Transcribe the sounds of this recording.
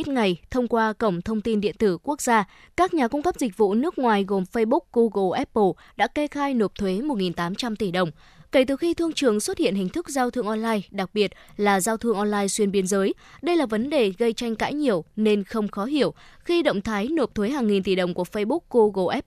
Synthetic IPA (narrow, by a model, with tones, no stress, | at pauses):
t̚ŋa˨˩jt̪ʰə˧wŋ͡mkwaː˧kə˧˩wŋ͡mt̪ʰə˧wŋ͡mt̪i˧nɗḭ˧˨ənt̪ɨ˧˩ku˦˥ək̚z̥aː˧ | kaː˦˥k̚ɲaː˨˩kʊ˧ŋ͡mkə˦˥p̚zï˨˩k̟̚vṵ˧˨nɨ˦˥ək̚ŋwaː˨˩jɣo˨˩mfə˧jɓʊ˦˥k̚ɣu˧ɣo˧˩ʔɛ˦˥p̚ːə˧˩ | ɗa̰ː˧˥ke˧xaː˧jno˨˩p̚t̪ʰwe˨˦mo˨˩t̚ŋi˨˩nt̪aː˨˦mt͡ɕa˧mt̪i˧˩ɗə˨˩wŋ͡m | ke˧˩t̪ɨ˨˩xi˧t̪ʰɨ˧əŋt͡ɕɨ˨˩əŋswə˦˥t̚hḭ˧˨ənhï˨˩ŋ̟t̪ʰɨ˦˥k̚zaː˧wt̪ʰɨ˧əŋʔɔ˧nlaː˧jɗa˨˩k̚ɓi˨˩ət̚laː˨˩zaː˧wt̪ʰɨ˧əŋʔɔ˧nlaː˧jswi˧ənɓi˧ənzəː˨˦j | ɗə˧jlaː˨˩və˨˦nɗe˨˩ɣə˧jt͡ɕa˧jŋ̟ka̰ː˧˥jɲi˨˩əwne˧nxə˧wŋ͡mxɔ˨˦ɦi˧˩əwxi˧ɗə̰˧˨wŋ͡mt̪ʰaː˨˦jno˨˩p̚t̪ʰwe˨˦ɦaː˨˩ŋːi˨˩nt̪i˧˩ɗə˨˩wŋ͡mku˧˩əfə˧jɓʊ˦˥k̚ɣu˧ɣo˧˩ʔɛ˦˥p̚